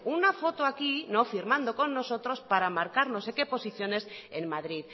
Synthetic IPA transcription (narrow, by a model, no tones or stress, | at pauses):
unafo̞t̪oakino̞fiɾmãnd̪o̞ko̞nːo̞so̞t̪ɾo̞spaɾamaɾkaɾno̞se̞ke̞po̞siθjo̞ne̞senmaðɾið